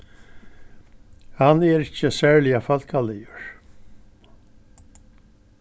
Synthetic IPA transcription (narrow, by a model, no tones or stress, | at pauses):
hanɛɾɪcːəsæːɹlɪjafalkʰalɪjəɹ